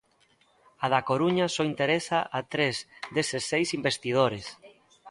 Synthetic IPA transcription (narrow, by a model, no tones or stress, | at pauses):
aðakoɾuɲasɔint̪eɾesaʔat̪ɾezðesesːejsimbest̪ið̞oɾes